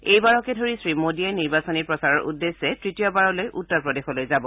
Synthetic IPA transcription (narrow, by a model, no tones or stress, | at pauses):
ejbaɹɔkɛdʱoɹisɹimodiajniɹbasɔniɹpɹɔsaɹɔɹʔṵdːesːɛtɹitijɔbaɹɔlojʔutːɔɹpɹɔdexɔlojzabɔ